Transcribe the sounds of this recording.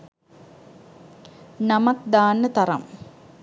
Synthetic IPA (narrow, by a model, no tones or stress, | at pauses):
nɐmɐk̚d̪aːnːət̪ɐɾɐ̰m